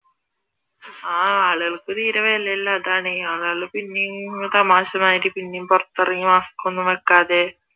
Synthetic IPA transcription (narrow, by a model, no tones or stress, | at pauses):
aːaːɭuɣɐɭkɨt̪iːɾɐʋelɐilːaːðaːɳeaːɭɐɭɨpinːejumt̪ɐmaːɕɐmaːjɾipinːejumporɐt̪ːɐrɐŋːimaːskːonːumʋekːaːðe